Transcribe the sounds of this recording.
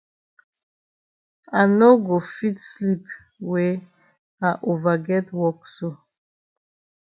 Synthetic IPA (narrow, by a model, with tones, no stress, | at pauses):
a˨no˦ɡo˨fi˦tsli˦p | we˨˦ | a˨ʔo˨va˨ɡɛ˦twɔ˦kso˨